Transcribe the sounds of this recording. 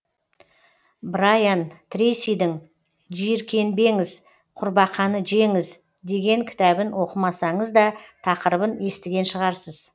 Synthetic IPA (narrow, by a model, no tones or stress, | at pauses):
bɾajant̪ʰɾejsijd̪ɪŋ | ʒijɪɾkʲʰe̞nbe̞ŋɪz | qʰʊɾbɑqʰɑnəʒe̞ŋɪz | d̪e̞ɡʲe̞ŋkʲʰɪ̥t̪æbɪnwo̞qəmɑsɑɴəzd̪ɑt̪ʰɑqəɾəbəne̞st̪ɪɡʲe̞nʃəʁɑɾsəz̥